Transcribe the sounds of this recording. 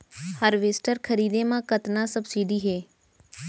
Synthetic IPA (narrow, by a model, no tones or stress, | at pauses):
həɾʋesʈəɾkʰəɾiːd̪emãkət̪nasəbsiːɖiɦɛː